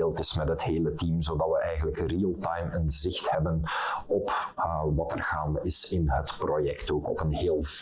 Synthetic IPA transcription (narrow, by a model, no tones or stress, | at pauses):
eːlˠtɪsmɛtɦətheːlətimzodɑtʋəʔɛjɣənləkriəlˠtɑjmənzɪxthɛbənɔpʋɑtərɣaːndəɪsɪnɦətprojɛktoːkɔ̰pənɦeːlˠ